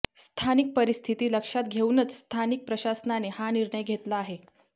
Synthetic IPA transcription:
st̪ʰanik̚pəɾist̪ʰit̪iːləkʂat̪ɡʱeunət͡sst̪ʰanik̚pɾəɕasnanehaniɾɳəjɡʱet̪laːɦe

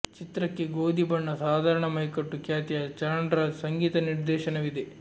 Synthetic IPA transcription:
t͡ʃit̪ɾɐkːeɡoːd̪ibɐɳːɐsaːd̪ʱaːɾɐɳɐmɐjkɐʈːukjaːt̪ijɐt͡ʃɐɾɐɳɖɐɾɐsɐŋɡiːt̪ɐniɾd̪ɛːʃɐnɐʋid̪e

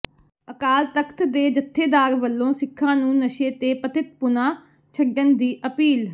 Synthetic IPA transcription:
əkaːlt̪əkʰt̪d̪eːd͡ʒət̪ʰːeːd̪aːɾʋəlːõːsɪkʰːãːnũːnəʃeːt̪eːpət̪ɪt̪̚pʊnãː | t͡ʃʰəɡənd̪iːʔəpiːl

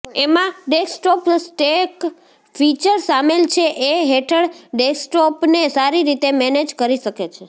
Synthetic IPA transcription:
emãɖesʈɔpsʈek | fʰit͡ʃəɾsamelt͡ʃʰeʔeɦeʈʰəɭɖesʈɔpnesaɾiɾit̪emɛned͡ʒkəɾiʃəket͡ʃʰe

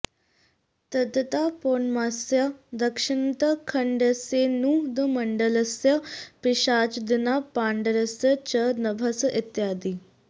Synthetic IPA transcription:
t̪ɐd̪ət̪apoːɳmasjɐd̪ɐkʂint̪əkʰəɳɖəsenud̪əmɐɳɖələsjɐpiʃaːt͡ʃd̪inapaːɳɖəɾəsjət͡ɕənɐbʱɐsʔit̪jaːd̪iː

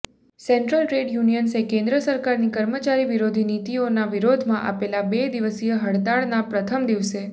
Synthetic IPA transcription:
sɛɳʈɾəlʈɾeɖjunijənsekẽnd̪ɾəsəɾkaɾnikəɾmət͡ʃaɾiʋiɾod̪ʱinit̪ionaʋiɾod̪ʱmãʔa̰pelabed̪iʋəsijəɦəɽt̪aɭnapɾət̪ʰəmd̪iʋse

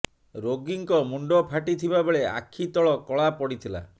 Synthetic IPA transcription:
ɾoɡiŋkɔmuɳɖɔpʰaʈit̪ʰibabeɭea̰kʰːit̪ɔɭɔkɔɭapɔɽit̪ʰila̰

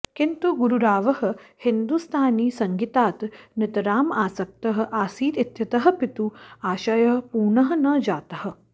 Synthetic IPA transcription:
kint̪uɡuɾuɾaːʋɐhɐ̆hɪnd̪ust̪ʰaːniːsɐŋɡit̪aːt̪nɪt̪ɐɾaːmaːsɐk̚t̪ɐɦɐ̆ʔaːsiːt̪it̪jɐt̪ɐɦɐ̆pɪt̪uaːʃɐjɐɦɐpuːɳɐɦɐ̆nɐd͡ʒaːt̪ɐɦɐ̆

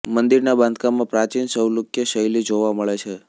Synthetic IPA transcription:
mənd̪iɾnabãnd̪kamãpɾat͡ʃinsəwlukjəʃəjlid͡ʒoʋaməɭet͡ʃʰe

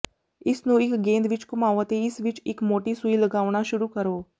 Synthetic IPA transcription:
ɪsnũːɪkɡẽːnd̪ʋɪt͡ʃkʊmaːoːət̪eːɪsʋɪt͡ʃɪkmoːʈiːsʊiːləɡaːʊɽ̃aːʃʊɾuːkəɾoː

